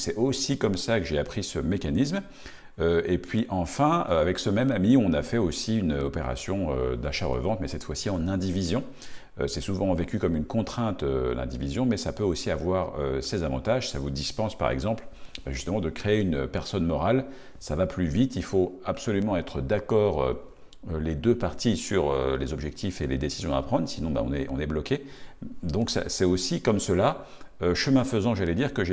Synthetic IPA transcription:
sɛosikɔmsakəʒeapχisəmekanism | øepʰɥiʔɑ̃fɛ̃øavɛksəmɛmamiɔ̃nafɛosiynøɔpeʁa̰sjɔ̃ø̰d̪aʃaʁə̰vɑ̃t̪mɛsɛt̪fwasiɑ̃nɛ̃d̪ivizjɔ̃ | øsɛsuvɑ̃vekʲykɔmynkɔ̃t̪χɛ̃t̪ø̰lɛ̰̃d̪ivizjɔ̃mɛsapøosiavwaʁøsezavɑ̰̃t̪aʒsavud̪ispɑ̃spa̰ʁɛ̰ɡzɑ̃plaʒyst̪əmɑ̃d̪əkχeːynpɛʁsɔnmɔʁal | savaplyvit̪ilfoapsɔlymɑ̃ɛt̪χəd̪akɔːʁø̰ | øled̪øpaʁt̪ʰisyʁø̰lezɔbʒɛk̚t̪ʰifeled̪esizjɔ̃a̰pχɑ̃d̪ʁsinɔ̃ba̰ɔ̰̃nɛʔɔ̰̃nɛblɔkʲe | d̪ɔ̃ksa̰sɛosikɔmsəla | øʃəmɛ̃fəzɑ̃ʒalɛd̪iʁkəʒe

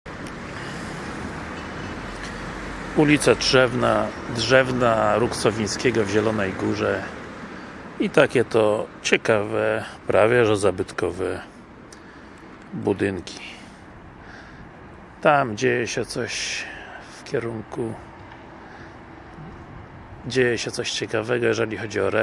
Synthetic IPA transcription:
ulʲit̪sadʐɛvnadʐɛvnaɾuksɔvʲĩj̃skʲɛɡɔvʑɛlɔnɛjɡuʐɛ | it̪akʲɛt̪ɔt͡ɕɛkavɛpɾavʲjɛʐɛzabɘt̪kɔvɛ | bud̪ɘŋkʲi̥ | t̪amd͡ʑejɛɕɛt̪sɔɕ | fkʲɛɾuŋku | d͡ʑejɛɕɛt̪sɔɕt͡ɕɛkavɛɡɔjɛʐɛlʲixɔd͡ʑiɔɾɛ

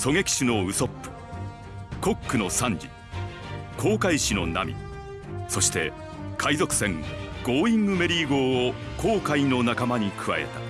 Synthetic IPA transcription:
so̞ɡe̞kʲi̥ɕino̞ɯ̟so̞pːɯ̥ | ko̞kːɯ̟no̞sãɲd͡ʑḭ | kʰo̞ːkaiɕino̞̰na̰mʲḭ | so̞ɕi̥t̪e̞̰ | kʰaizo̞kɯ̟̥sẽ̞ŋɡ̥o̞ːĩŋɡɯ̟me̞ɾʲiːɡo̞ːo | ko̞ːkaino̞nakamaɲ̟ikʰɯ̟βa̰e̞̰t̪ḁ

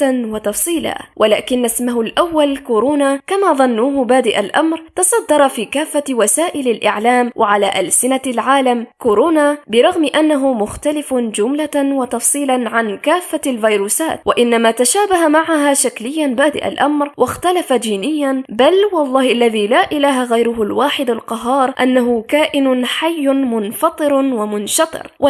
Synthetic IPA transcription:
nwɑt̪ɑfsˤiːla̰ːwʔalaːkɪnːasmaɦʊlʔawːalkʊɾoːnaːkamaːðˤɑnːuːhbaːd̪ɪʔalʔamɾt̪ɑsˤɑd̪ːɑɾˤɑfiːkaːfːawasaːʔɪlalʔɪ̰ʕlaːmwʔaʕala̰ːʔalsɪnalʕaːlamkʊɾoːnaːbɪɾˤɑɣmɪʔanːaɦʊmʊxt̪alɪfd͡ʒʊmlawɑt̪ɑfsˤiːlaʕankaːfːalvijɾuːsaːt̪̚waʔɪnːamaːt̪aʃaːbahamaʕaɦaːʃaklɪjːanbaːd̪ɪ̰ʔa̰lʔamɾwʔaxt̪alafad͡ʒiːnɪjːanbalwɑlˤːɑːhʔalːaðiːlaːʔɪlaːɦaɣajɾʊɦʊlwaːħɪd̪alqɑɦːɑːɾˤʔanːaɦʊkaːʔɪnʊħajːʊmʊnfɑt̪ˤɨɾwamʊnʃɑt̪ˤɨ̰ɾʔa

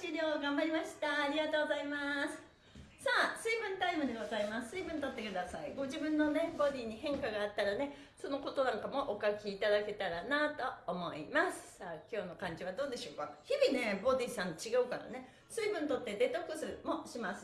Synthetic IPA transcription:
t͡ɕiɾʲo̞ːɡãmbaɾʲimaɕi̥t̪aːɾʲiɡat̪oːɡozaimasɨ̥ | saːsɨːbɯ̟̃nt̪aimɯ̟d̪e̞ɡo̞zaimassɨːbɯ̃nt̪o̞t̪ːe̞kɯ̟d̪asaiɡo̞ʑibɯ̟̃nːo̞ne̞bo̞d̪ʲiːɲ̟iɦẽ̞ŋkaɡaːt̪ːaɾane̞ | so̞no̞ko̞t̪o̞nãŋkamo̞ʔokakʲiːt̪ad̪ake̞t̪aɾanat̪o̞ːmo̞ḭmasɨ̥saːkʲo̞ːno̞kãɲ̟d͡ʑiβ̞ad̪o̞ːd̪e̞ɕo̞ːkaçibʲine̞bo̞d̪ʲiːsãɲt͡ɕiɡaɯ̟kaɾa̰ne̞ | sɨːbɯ̟̃nt̪o̞t̪ːe̞d̪e̞t̪okɯ̟sɨmoɕimasɨ̥

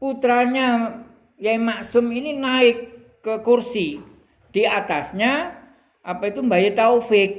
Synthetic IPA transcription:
put̪ɾaɲa | jaimaksʊmininaɪkː | əkursi | d̪̥iat̪asɲa | ʔapait̪umbajat̪aufɪk̚

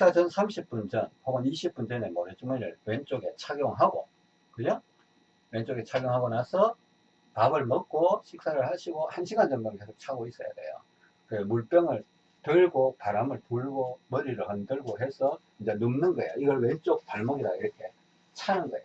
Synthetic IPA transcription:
iks͈at͡ɕʰʌnsʰamɕʰip͈und͡ʑʌnpoɡʌniɕʰip͈̚und͡ʑʌnemʌɾit͡ɕ͈uŋmeɾɯɭwent͡ɕ͈oɡe̞t͡ɕʰaɡjoŋɦaɡo̰ | kɯɲo | we̞nt͡ɕ͈oɡe̞t͡ɕʰaɡjoŋɦaɡʌnasʰʌ | pabɯɭmʌk̚k͈oɕʰik̚s͈aɾɯɭhaɕʰiɡohanɕʰiɡand͡ʑʌnɡʌnke̞sʰok̚t͡ɕʰaɡois͈ʌja̰de̞̰jo̰ | kɯmuɭp͈jʌŋɯɭ | tɯɭɡopaɾamɯɭpuɭɡomʌɾiɾɯhʌndɯɭɡoɦe̞sʰʌt͡ɕind͡ʑenɯmnɯnɡʌejoiɡʌɭwe̞nt͡ɕ͈ok̚paɭmʌɡiɾaiɾʌkʰe̞ | t͡ɕʰaanɡʌḛo

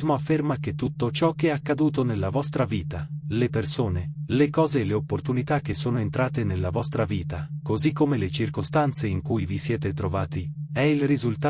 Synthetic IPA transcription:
moafːermak̟et̪ːut̪ːot͡ʃɔk̟ːeɛakːad̪uːt̪onelːavɔst̪ɾaviːt̪alepersoːnelekɔːzeːlːeopːort̪unit̪ak̟ːesːoːnoent̪ɾaːt̪enelːavɔst̪ɾaviːt̪akozikːomelet͡ʃirkost̪ant̪seiŋkujvisjɛːt̪et̪ɾovaːt̪iɛilrizult̪a

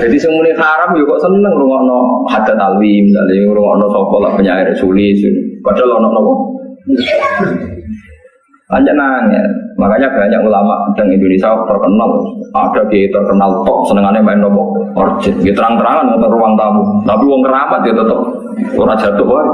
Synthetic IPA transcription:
dat̪isəŋmunikaɾamud͡ʒukɔʔsənnəŋuluŋɔʔnɔhad̪at̪alimd̪a̰liulʊŋɔ̰ʔnɔsɔpɔla̰ʔpəɲaiɾɛsulɪsḭkad͡ʒalɔnɔʔnɔʔɔn | ʔa̰ɲd͡ʒanaŋɛ̰makaɲab̥aɲa̰kulama̰ʔdaŋindonisiakt̪ərkənala̰dakait̪ərkənalt̪ɔʔ̚sənəŋanɛmaɪnnɔbɔʔɔ̰rt͡ʃɪt̪̚ɡit̪əɾaŋt̪əɾaŋanŋɔt̪ɔuwaŋt̪amut̪apiwɔŋkəɾamat̪̚iɔt̪ət̪ɔp̚ | ṵɾad͡ʒat̪ʊʔba

